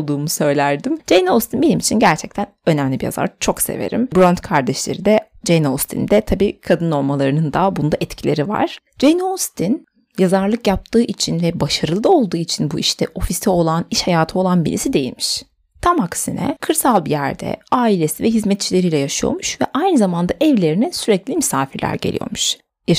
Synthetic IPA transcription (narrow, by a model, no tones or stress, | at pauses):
lˠd̪uːmusø̞jlʲæɾd̪imd͡ʒejnost̪ʰinbe̞nimit͡ʃʰinɟæɾt͡ʃʰɛc̚t̪ʰænø̞næmlʲibija̰za̰ɾt͡ʃʰo̞ksḛve̞̰ɾḭmbɾont̪kʰaɾd̪ɛʃlʲeɾid̪ɛ | d͡ʒejnost̪ʰḭnd̪ɛt̪ʰabiːkʰad̪ɯno̞lˠmalˠaɾɯnɯnd̪aːbund̪aʔɛt̪cʰilʲeɾiva̰ɾ̥ | d͡ʒejnost̪ʰin | jazaɾlˠɯkjap̚t̪ʰɯːʔit͡ʃʰinvɛbaʃaɾɯlˠɯo̞lˠd̪uːit͡ʃʰinbuʔiʃt̪ʰɛʔo̞fist̪ʰɛo̞lˠaniʃhajaːt̪ʰɯo̞lˠanbilḭsid̪e̞jḭlʲmiʃ | t̪ʰamaksinɛ̰kʰɯɾsalˠbijæɾd̪ɛ̰aːilʲesivɛɦizmɛt̪̚t͡ʃʰilʲe̞ɾijlʲɛjaʃɯjo̞̰ɾmuʃvɛ̰ʔajnɯzamand̪aʔɛvlʲe̞ɾinɛsyɾɛclʲimysaːfiɾlʲæ̰ɾɟḛlʲḭjo̞̰ɾmuʃ | ja